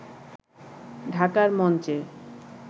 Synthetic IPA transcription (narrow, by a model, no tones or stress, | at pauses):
ɖʱakaɾmɔnt͡ɕe